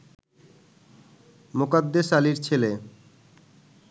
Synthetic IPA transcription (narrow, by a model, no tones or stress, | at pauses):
mokad̪ːeʃaliɾt͡ɕʰele